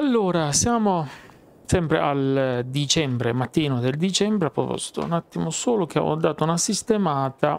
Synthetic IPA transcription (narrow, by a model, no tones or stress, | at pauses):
alːoːɾasjaːmo | sɛmpɾḛʔald̪it͡ʃɛmbɾemat̪ːiːnod̪eld̪it͡ʃɛmbɾeapːɾopɔ̰st̪o̰ṵnat̪ːimosoːlok̟ḛʔɔ̰d̪ːaːt̪ounasist̪emaːt̪a